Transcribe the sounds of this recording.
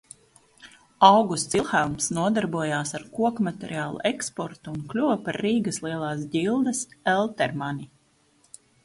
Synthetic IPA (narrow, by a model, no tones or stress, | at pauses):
awɡust̪silˠxalˠmsnuɔd̪aɾbuɔjaːsaɾkuɔkmat̪ʲɛɾiaːlˠṵʔekspɔɾt̪uːnklʲuvpaɾːiːɡəslˠiɛlˠaːsɟilˠd̪ɐsɛlˠt̪ɛɾmani